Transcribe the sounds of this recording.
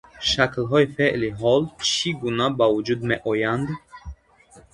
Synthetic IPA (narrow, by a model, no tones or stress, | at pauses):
ʃaklɦɔifeʔliɦɔlt͡ʃʰiɡunabavud͡ʒud̪meʔɔjand̪